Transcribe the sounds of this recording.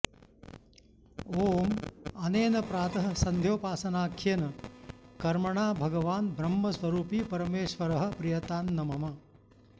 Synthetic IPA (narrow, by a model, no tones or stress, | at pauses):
oːmɐneːnɐpɾaːt̪ɐɦɐ̆sɐnd̪ʱjoːpaːsɐnaːkʰjɐnɐkɐɾmɐɳaːbʱɐɡɐʋaːnbʱɾɐmːɐsʋɐɾuːpipɐɾɐmeːʃʋɐɾɐɦɐ̆pɾijɐt̪aːnːɐmɐmɐ